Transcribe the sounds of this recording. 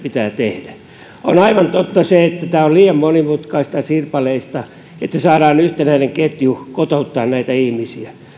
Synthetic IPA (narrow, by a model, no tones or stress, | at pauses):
pit̪æːt̪ehdæ | o̰nɑiʋɑnt̪ot̪ːɑseet̪ːæt̪æːolliːjɑmmonimut̪kɑist̪ɑsirpɑleist̪ɑ | et̪ːæsɑːdɑːnyht̪enæineŋket̪jukot̪out̪ːɑːnnæit̪æihmisiæ